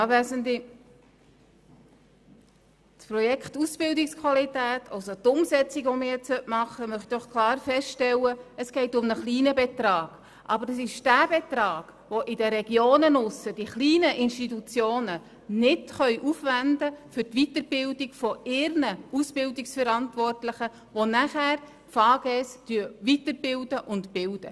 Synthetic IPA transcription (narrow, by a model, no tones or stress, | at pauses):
ʋæsənt̪i | spɾɔjɛkχt̪usb̥ɪldikskʰwɑlitæːt̪ʰɑ̰lsot̪ʊmsɛt͡siɡʋɔmɪːjɛt͡ssœtmɑχəmœχt̪id̥ɔχkʰlɑːɾfɛsʃtɛlːəəsɡ̥ɛɪtʊmnəχliːnəbɛt̪ɾɑːɡ̥ | ʔɑbəɾəsɪʃd̥æːb̥etɾɑːɡ̥ʋoʔɪdəɾɛɡ̥joːnənʊsəd̥iχliːnəʔɪnʃtitut͡sjoːnə | nɪtχœʏʔufʋændəfʏtʋitəɾb̥ɪldiɡfɔɪɾnəusb̥ɪldiksfɛɾɑntvʋɔrtlɪχə | ʋonæχæːɾ | fɑːɡ̥ɛstyəʋitəb̥ɪldəʔʊntpɪld̥ə̰